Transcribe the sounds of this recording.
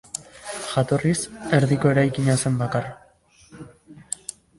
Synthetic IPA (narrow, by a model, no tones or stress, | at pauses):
ʝat̪o̞rise̞ɾðiko̞e̞ɾajkiɲase̞mbakar